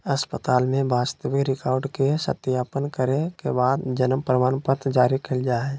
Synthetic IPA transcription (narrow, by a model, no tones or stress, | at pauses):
əspət̪aːlmẽbaːst̪əʋikɾɪkaːɾɖkesə̰t̪ɪjaːpənkəɾekebaːd̪d͡ʒənəmpɾəmaːnpət̪d͡ʒaːɾikʰɪld͡ʒaːɛː